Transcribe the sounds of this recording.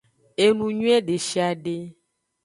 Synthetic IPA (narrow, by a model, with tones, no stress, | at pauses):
e˦nũ˨ɲũ˦ɛ˦ɖe˨ʃi˦a˨ɖe˦